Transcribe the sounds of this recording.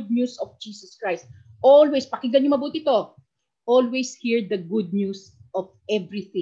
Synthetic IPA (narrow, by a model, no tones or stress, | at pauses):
d̪̚ɲusɔfd͡ʒiːsɐskɹajst̪̚ʔolwɛspɐkɪɡɐnɲomɐbuːt̪ɪɪt̪o̞ | ʔolwejshiɹd̪ɐɡʊd̪̚ɲus | ʔɔvɛvɹiθɪ̃